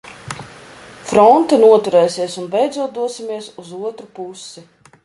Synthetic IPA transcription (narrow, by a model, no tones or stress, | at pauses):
fɾɔnt̪ɨnuɔt̪uɾɛjsiɛsunbɛjd̪zuɔt̪d̪uɔsimiɛsuzuɔt̪ɾupusːi